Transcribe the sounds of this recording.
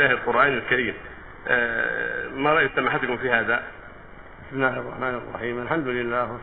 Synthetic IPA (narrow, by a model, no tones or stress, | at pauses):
aːhɪd̪qʊɾʔaːnɪlkaɾiːm | maɾˤɑʔjsamaħat̪kʊmfiːhaːd̪a | bɪsmɪlːaːɑrˤːɑ̰ħmaːnɪrˤːɑ̰ħiːmʔalħamd̪ʊlɪlːaːhw